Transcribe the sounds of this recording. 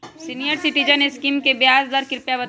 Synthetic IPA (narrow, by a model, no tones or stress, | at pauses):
sinijəɾsɪʈid͡ʒəneskiːmkebjaːzd̪əɾkɪɾpjabɐ